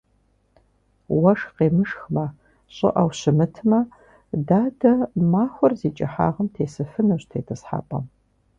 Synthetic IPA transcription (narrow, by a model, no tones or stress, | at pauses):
wɐʂqeːmɨʂxmɐ | ɕʼɪ̰ʔɐwɕɪmɨtʰmɐ | daːdɐmaːxʷʊrziːt͡ʃʼɐħa̰ːʁɐmtʰeːsɨfɨnɐɕtʰeːtʰɐsħa̰ːpʼɐm